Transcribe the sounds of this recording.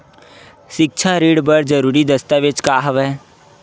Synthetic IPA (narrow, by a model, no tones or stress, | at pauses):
ʃɪk̚t͡ʃʰaɾiːɽbəɾd͡ʒəɾuːɾid̪əst̪aʋɪt͡ʃkaːɦəʋɛː